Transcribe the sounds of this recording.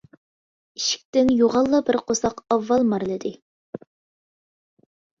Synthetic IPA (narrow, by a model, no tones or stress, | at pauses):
iʃi̥k̚ʲt̪ɪnjoʁɑlˠːɑbɪɾqʰosɑqɑvːɑlˠmɑɾlˠɨd̪ɨ